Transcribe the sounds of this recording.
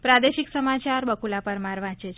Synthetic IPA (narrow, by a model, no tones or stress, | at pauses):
pɾad̪eʃiksəmat͡ʃaɾbəkulapəɾmaɾʋãt͡ʃet͡ʃʰ